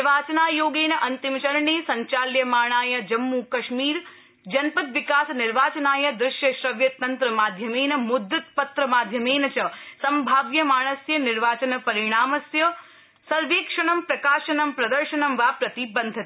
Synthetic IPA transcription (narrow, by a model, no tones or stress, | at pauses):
ɾʋaːt͡ʃɐnaːjoːɡeːnɐʔɐnt̪imt͡ʃɐɾɳeːsɐɲt͡ʃaːljɐmaːɳ̃aːjɐd͡ʒɐmːukɐʃmiːɾ | d͡ʒɐnpɐt̪ʋɪkaːsnɪɾʋaːt͡ʃɐnaːjɐd̪ɾɪʃjɐʃɾɐʋjɐt̪ɐnt̪ɾɐmaːd̪ʱjɐmeːnɐmʊd̪ʱːɐt̪pɐt̪ɾɐmaːd̪ʱjɐmeːnɐt͡ʃɐsɐmbʱaːʋjɐmaːɽ̃ɐsjɐnɪɾʋaːt͡ʃɐnɐpɐɾɪɳ̃aːmɐsjɐ | sɐɾʋiːkʂɐɳ̃ɐmpɾɐkaːʃɐnɐmpɾɐd̪ɐɾʃɐnɐmʋaːpɾɐt̪ibɐnd̪ʱɐt̪i